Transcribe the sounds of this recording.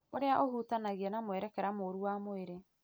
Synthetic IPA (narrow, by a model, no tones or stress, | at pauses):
oɾeaʔohutanaɣianamwɛɾɛkɛɾamoɾuwamoeɾe